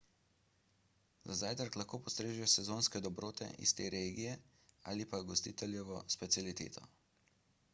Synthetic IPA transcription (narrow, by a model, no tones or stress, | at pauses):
zazajt̪ɾklaxkoːpɔst̪ɾeːʒujɛsɛzoːnskɛd̪ɔbɾoːt̪ɛ̰ʔḭst̪ḛːɾeːɡijɛ | a̰ːlipaɡɔst̪iːt̪ɛljɛʋɔspɛt̪sʲjalit̪ḛːt̪ʰɔ̰